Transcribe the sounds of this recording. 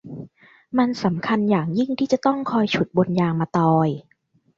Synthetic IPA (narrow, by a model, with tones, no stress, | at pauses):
ma˧nsa˩˦mkʰa˧njaː˨˩ŋji˥˩ŋt̪ʰiː˥˩t͡ɕa˨˩t̪ɔ˥˩ŋkʰɔː˧jt͡ɕʰu˨˩t̪̚bo˧njaː˧ŋmaː˧t̪ɔː˧j